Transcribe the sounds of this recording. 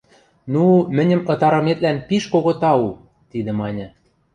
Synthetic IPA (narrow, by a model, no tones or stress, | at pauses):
numɘ̆nʲɘ̆mɤ̆t̪ɑɾɤ̆met̪lænpiʃkoɣot̪ɑu | t̪id̪ə̆mɑnʲɤ̆